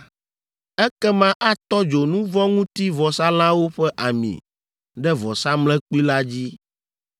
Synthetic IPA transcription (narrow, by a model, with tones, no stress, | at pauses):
ɛ˦kɛ˦mã˦ʔa˦t̪ɔ˦d͡ʒo˨nũ˦vɔ˦ŋũ˦t̪i˦vɔ˨sa˦l̃ã˦wo˦ɸɛ˦ʔa˨mḭ̃˨ | ɖɛ˦vɔ˨sa˦mlɛ̃˦k͡pu˦i˦la˦d͡ʑi˦